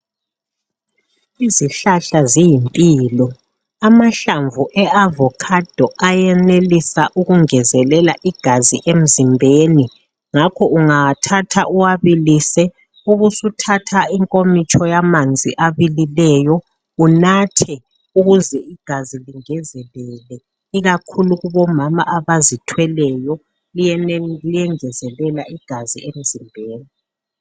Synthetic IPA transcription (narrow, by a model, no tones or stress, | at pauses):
iziɬaɬazijimpʼiːlɔ | amaɬaɱvuʔɛavɔkʰad̥ʱɔʔajɛnelisaʔuɣuŋɛzɛlɛlaʔiɡ̥ʱaziʔem̩zimbʱeːni | ŋakʰɔuŋaatʰatʰaʔuwaβilisɛ | uɣusutʰatʰaiŋkʼomit͡ʃʰʼɔjamand͡zʱḭʔaβililɛjɔ | unatʰɛ | uɣuzɛiɡ̥ʱaziliŋɛzɛlɛlɛ | iɣakʰuluɣuβɔmamaʔaβazitʰwɛlɛjɔ | lijɛnɛlijɛŋɛzɛlɛlaiɡ̥ʱazḭem̩zimbʱeːni